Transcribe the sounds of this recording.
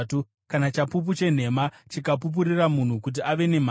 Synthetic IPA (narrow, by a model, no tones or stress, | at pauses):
tu | kanat͡ʃapup̬ut͡ʃe̞n̤e̞mat͡ʃikap̬up̬uɾiramun̤ukut̬iʔaʋe̞nem̤a